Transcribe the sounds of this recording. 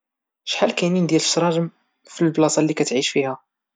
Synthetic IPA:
ʃħalkæjnind̪jæləsɾˤɑʒəm | filblɑsˤɑlːikæt̪ʕiʃfihæ

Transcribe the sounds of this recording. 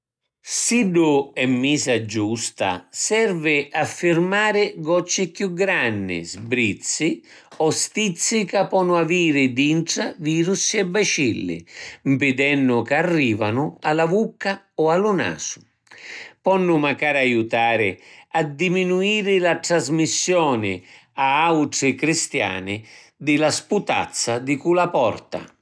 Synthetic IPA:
siɖʊɛmːiːsad͡ʒust̪a̰sɛrvɪʔafːɪrmaːɾɪɡɔt͡ʃːɪkjuɡɾanːɪ̰zbɾit̪sːi | ɔst̪it̪sːikapːɔnːʊaviːɾɪd̪iɳʈ̪ɾaviːɾusɛbat͡ʃilːɪ̰mpɪd̪ɛnːʊkarːiːvanʊalavukːa | ɔalʊna̰ːsʊ̥ | pɔnːʊmakaːɾajut̪aːɾɪad̪iminuiːɾɪlat̪ɾazmisːjɔːnɪ | aawʈɾɪkɾist̪ja̰ːnɪ | d̪ɪlasput̪a̰t̪sːad̪ɪkulapɔrt̪a̰

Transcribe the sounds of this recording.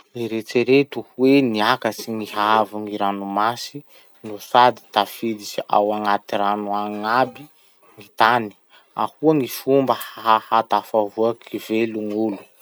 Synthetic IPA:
leɾet͡seɾet̪uhweniakəsiŋiɦavuŋiɾanumasi | nusad̪i̥t̪afid̪isiʔa̰waŋat̪iɾanuaŋabi | ŋit̪ani̥ | a̰huəŋifumbəhaahat̪afavuakʰiveluŋulu̥

